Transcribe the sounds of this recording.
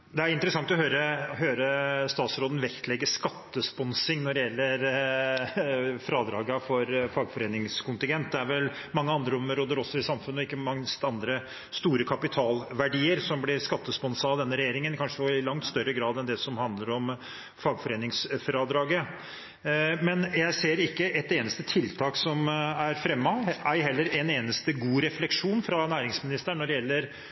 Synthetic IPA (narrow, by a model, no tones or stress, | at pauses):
d̪ɛæɾɪnt̪ɾəsɑŋt̪ɔɦøːɾəɦøːɾəst̪ɑːt̪sɾoːd̪n̩ʋɛkt̪ʰlɛɡːəʂkɑt̪ːəspɔnsɪŋnɔɾɪjɛlːəɾ | fɾɑːd̪ɾɑːɡɑfɔɾfɑːɡfɔɾeːnɪŋskʰʊnt̪ɪŋɡɛnt̪̚d̪ɛæɾʋɛl | mɑŋːəɑnd̪ɾəʊməɾoːd̪əɾɔsːɔɪsɑmfʉnːɔɪkːəmɑŋst̪ɑnd̪ɾə | st̪uːɾəkʰɑpɪt̪ʰɑːlʋæɖiːəɾsɔmblɪɾskɑt̪ːəspɔnsɑd̪ɛnːəɾɛjeːɾɪŋənkʰɑnʂəɔɪlɑŋt̪st̪œɾːəɡɾɑːd̪ɛnd̪ɛsɔmhɑnd̪ləɾɔm | fɑːɡfɔɾeːnɪŋsfɾɑd̪ɾɑːɡə | mɛnjæɪseːɾɪkːəʔɛt̪eːnəst̪ət̪ʰɪlt̪ʰɑːksɔmæɾfɾɛmːɑæɪhɛlːəɾɛneːnəst̪əɡuːɾɛflɛkʂuːnfɾɑnæːɾɪŋsmɪnɪst̪əɳːɔɖɛjɛlːəɾ